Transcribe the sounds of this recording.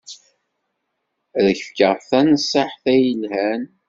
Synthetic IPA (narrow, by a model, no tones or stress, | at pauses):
ðəçfkəʁˤθænəsˤːɑħθæjəlhæn